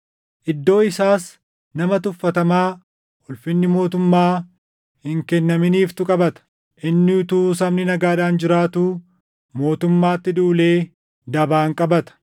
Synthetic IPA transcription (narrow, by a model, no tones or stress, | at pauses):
ʔɪd̪ːo̞ːɪsaːs | nɐmɐt̪ʊfːɐt̪ɐmaː | ʔɔlfɪnːɪmo̞ːt̪ʊmːaː | hɪŋkɛnːɐmɪniːft̪ʊkʼɐbɐt̪ɐ̥ | ʔɪnːɪʊt̪uːsɐmnɪnɐɡaːᶑaːnd͡ʒɪɾaːt̪uː | mo̞ːt̪ʊmːaːt̪ːɪd̪uːle̞ː | d̪ɐbaːŋkʼɐbɐt̪ɐ̥